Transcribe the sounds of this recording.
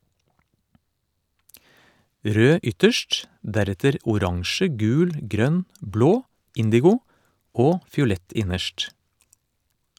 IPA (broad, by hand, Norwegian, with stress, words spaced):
ˈɾøː ˈʏtəʃʈ ˈdæɾɛtəɾ ʊˈɾɑŋʃə ˈɡʉːl ˈɡɾœn ˈbloː ˈɪndɪɡʊ ˈoː fɪʊˈlɛt ˈɪnəʃʈ